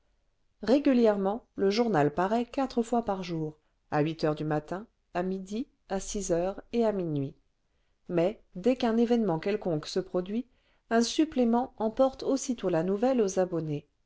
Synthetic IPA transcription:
ʁeɡʲyljɛʁmɑ̃ləʒuʁnalpaʁɛkat̪χəfwapaʁʒuːʁ | aɥit̪œʁd̪ymat̪ɛ̃ | amid̪i | asizœʁeaminɥi | mɛd̪ɛkɛ̃nevɛnmɑ̃kɛlkɔ̃ksəpχɔd̪ɥi | ɛ̃syplemɑ̃ɑ̃pɔʁt̪osit̪olanuvɛlozabɔne

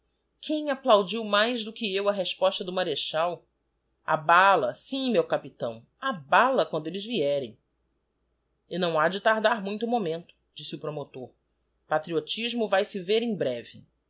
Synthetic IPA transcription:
kʰẽj̃aplawd͡ʒiwmajzd̪ʊkɪewɐɦeʃpɔʃt̪ɐd̪ʊmaɾeʃaw | a̰balɐsĩmewkapit̪ɐ̰̃w̃ | abalɐkwɐ̃nd̪ʊelɪzviɛɾḛ̃j̃ | ɪnɐ̃w̃ad͡ʒɪt̪aɾd̪aɾmũj̃t̪ʊmomẽnt̪ʊ̥d͡ʒisɪʊpɾomot̪oɾ | pat̪ɾiot͡ʃiʒmʊvajsɪveɾẽj̃bɾɛvɪ̰

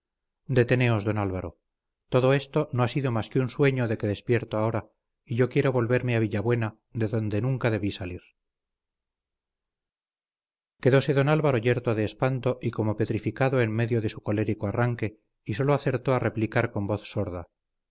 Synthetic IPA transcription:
d̪e̞t̪e̞ne̞o̞zðo̞nalβaɾo̞̰ | t̪o̞ðo̞e̞st̪o̞no̞asiðo̞maskeunswe̞ɲoðe̞ke̞ðe̞spje̞ɾt̪oao̞ɾa | iʝo̞kje̞ɾo̞βo̞lβe̞ɾmeaβ̞iʎaβwe̞na | ðe̞ðo̞nd̪e̞nuŋkaðe̞β̞isaliɾ | ke̞ðo̞se̞ðo̞nalβaɾo̞ʝe̞ɾt̪o̞ðeːspant̪o̞ʔiko̞mope̞t̪ɾifikaðo̞e̞nme̞ðjoðe̞suko̞le̞ɾikoaraŋke̞ | iso̞loaθe̞ɾt̪o̞are̞plikaɾko̞mbo̞θso̞ɾða̰

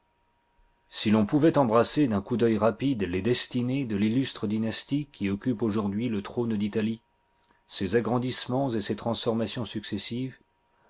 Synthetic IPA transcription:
silɔ̃puvɛt̪ɑ̃bʁased̪ɛ̃kud̪œjʁapid̪led̪ɛst̪ined̪əlilyst̪χəd̪inast̪ikʰʲːiɔkʲypoʒuʁd̪ɥilət̪χond̪it̪ali | sezaɡʁɑ̃d̪ismɑ̃zeset̪χɑ̃sfɔʁmasjɔ̃syksesiv

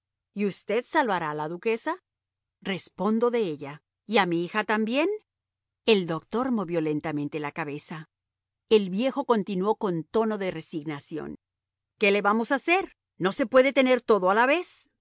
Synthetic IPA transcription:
iust̪e̞ðsalβaɾalaðuke̞sa | re̞spo̞nd̪o̞ðe̞eʎa | iamiixat̪ambje̞n | e̞ld̪o̞kt̪o̞ɾmo̞βjo̞le̞nt̪ament̪elakaβe̞sa | e̞lβje̞xo̞ko̞nt̪inwo̞ko̞nt̪o̞no̞ðe̞re̞siɣnasjo̞̰n | ke̞le̞βamo̞sase̞ɾ | nose̞pwe̞ðe̞t̪e̞ne̞ɾt̪o̞ðoalaβe̞s

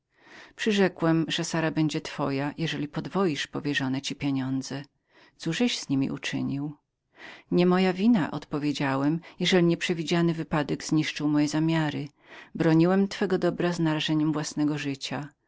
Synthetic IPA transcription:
pʂɘʐɛkwɛmʐɛsaɾabɛɲd͡ʑɛt̪fɔjajɛʐɛlʲipɔd̪vɔjiʂpɔvʲjɛʐɔnɛt͡ɕipʲjɛɲɔnd̪zɛ | t̪suʐɛɕz̥ɲimʲḭʔṵt͡ʂɘ̰ɲiw | ɲɛmɔjavʲina̰ʔɔ̰t̪pɔvʲjed͡ʑawɛmjɛʐɛlʲiɲɛpʂɛvʲid͡ʑanɘvɘpad̪ɛɡz̥ɲiʂt͡ʂɨwmɔjɛzamʲjaɾɘ | bɾɔɲiwɛmt̪fɛɡɔd̪ɔbɾaznaɾaʐɛɲɛmvwasnɛɡɔʐɘt͡ɕa

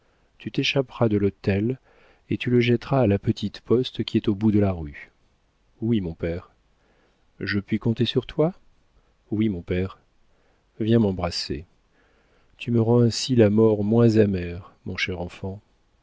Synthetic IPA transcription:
t̪yt̪eʃapʁad̪əlot̪ɛl | et̪yləʒɛt̪ʁaːlapət̪ʰit̪pɔst̪kʲiɛt̪obud̪əlaʁy | wimɔ̃pɛːʁ | ʒəpɥikɔ̃t̪esyʁt̪wa | wimɔ̃pɛʁ | vjɛ̃mɑ̃bʁasḛ | t̪ʰyməʁɑ̃ɛ̃silamɔʁmwɛ̃zamɛʁmɔ̃ʃɛʁɑ̃fɑ̃

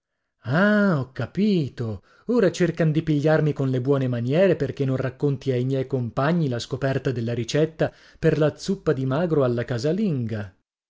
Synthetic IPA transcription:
aɔkːapiːt̪o | oːɾat͡ʃerkand̪ipiʎːarmikonlebwɔːnemanjɛːɾeperkenːõnrakːont̪iajmjɛjkompaɲːilaskopɛrt̪ad̪elːaɾit͡ʃɛt̪ːa | perlat̪sːupːad̪imaːɡɾoalːakaːzaliŋɡa

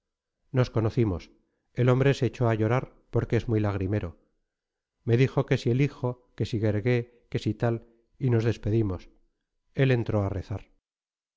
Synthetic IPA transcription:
no̞sko̞no̞θimo̞s | e̞lo̞mbɾe̞se̞ːt͡ʃo̞aʝo̞ɾaɾpo̞ɾkeezmwuilaɣ̞ɾime̞ɾo̞ | me̞ðixo̞ke̞sie̞lixo̞ | ke̞siɣe̞ɾɣe̞ | ke̞sit̪al | ino̞zðe̞spe̞ðimo̞s | e̞le̞nt̪ɾo̞areθaɾ

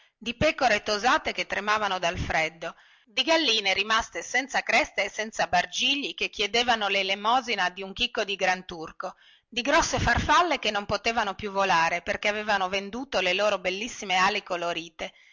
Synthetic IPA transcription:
d̪ipɛːkoɾet̪ozaːt̪eket̪ːɾemaːvanod̪alfɾɛd̪ːo | d̪iɡalːiːneɾimast̪esɛnt̪sakɾɛst̪eːsɛnt̪sabard͡ʒiʎːikekːjed̪eːvanolelemɔːzinad̪iuŋkikːod̪iɡɾant̪urko | d̪iɡɾɔsːefarfalːekenːompot̪eːvanopjuvːolaːɾeperkeaveːvanovend̪uːt̪oleloːɾobelːisːimeaːlekoloɾiːt̪e

